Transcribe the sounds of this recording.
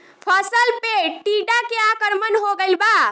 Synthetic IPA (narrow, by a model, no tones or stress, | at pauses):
pʰəsəlpeʈiɖakeakəɾmənɦoɡəɪlba